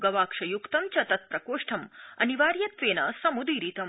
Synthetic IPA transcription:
ɡɐʋaːkʂɐjukt̪ɐmt͡ʃɐt̪ɐt̪̚pɾɐkoːʂʈʰɐmɐ̰niʋaːɾjɐt̪seːnɐsɐmud̪iːɾit̪ɐ

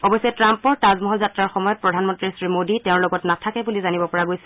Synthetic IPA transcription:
ɔbɔjsɛtɹampɔɹtazmɔɦɔlzatɹaɹxɔmɔjɔt̚pɹɔdʱanmɔntɹisɹimoditɛʊ̃ɹlɔɡɔtnatʰakɛbulizanibɔpɔɹaɡojsɛ̥

